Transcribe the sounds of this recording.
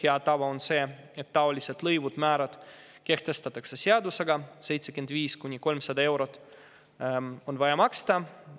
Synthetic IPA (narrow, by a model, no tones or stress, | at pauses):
he̞ɑt̪ɑvɑonse̞ːet̪ːɑolʲiset̪lɤjvud̪̥mæːɾɑd̪̥ | ke̞ht̪e̞st̪ɑt̪ːˑɑkse̞seɑd̪use̞ɡɑse̞jt̪sekyend̪viːskunʲːiko̞lmsɑd̪ɑe̞wɾo̞t̪ːˑ | o̞nvɑjɑmɑkst̪ɑ